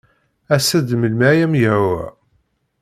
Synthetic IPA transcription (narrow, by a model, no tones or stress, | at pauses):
æsæd̪məlmæjæmjəwæ̰